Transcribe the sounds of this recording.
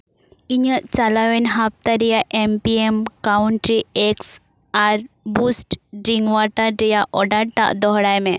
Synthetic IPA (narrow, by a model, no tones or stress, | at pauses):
iɲəʔt͡salawɛnɦap̚t̪aɾijaʔempiemkawɳʈɾieks | aɾbusʈɖɾiŋɡwaʈadɛjaʔɔɖaɽʈa̰ʔd̪ɔɦɽajmɛ